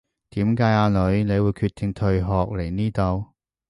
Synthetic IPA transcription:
t̪iː˨˥mkaː˨˥jaː˨˧lɵ˨˧˥ɥne˨˧jwuː˨˧jkʰyː˧t̪ʰːɪ˨ŋt̪ʰɵ˨˧ɥɦɔː˨k̚le˨˩jniː˥t̪o˧w

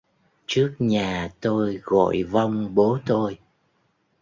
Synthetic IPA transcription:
t͡ɕɨ˦˥ək̚ɲaː˨˩t̪o˧jɣɔ̰˧˨jva˧wŋ͡mɓo˨˦t̪o˧j

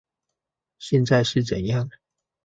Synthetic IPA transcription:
ɕjɛ˥˧nt͡sa˥˧ɪʂɻ̩˥˩t͡sə˨˩njɑ˥˩ŋ

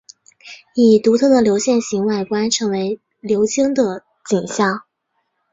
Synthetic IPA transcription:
i˨˩t̪u˧˥t̪ʰɤ˥˩d̪ə˩ljo˧˥ʊɕjɛ˥˩nɕi˧˥ŋwa˥˩ɪkwa˥nʈ͡ʂʰɤ˧˥ŋwe˧˥ɪ | ljo˧˥ʊt͡ɕi˥ŋd̪ə˨ | t͡ɕi˨˩nɕjɑ˥˩ʊ

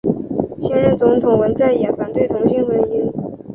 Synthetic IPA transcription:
ɕi˥nɻə˧˥nt͡sʊ˧˥ŋt̪ʰʊ˨˩ŋwə˧˥nt͡sa˥˩ɪjɛ˨˩nfa˨˩nt̪we˥˩ɪt̪ʰʊ˧˥ŋɕi˥nwə˧˥ni˥n

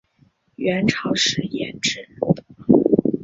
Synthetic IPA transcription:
ɥɛ˧˥nʈ͡ʂʰɑ˧˥ʊʂɻ̩˧˥jɛ̰˧˥nʈ͡ʂɻə˥˩

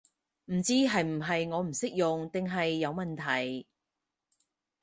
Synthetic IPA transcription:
m̩˨˩t͡siː˥ɦɐ˨jm̩˨˩ɦɐ˨jŋɔː˨˧m̩˨˩sɪ˥k̚jʊ˨ŋt̪ɪ˨ŋɦɐ˨jːɐ˨˧wmɐ˨nt̪ʰɐ˨˩j

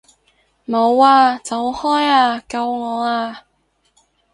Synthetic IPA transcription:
mo˨˧waː˧t͡sɐ˨˧whɔː˥jaː˧kɐ˧wŋɔː˨˧aː˧

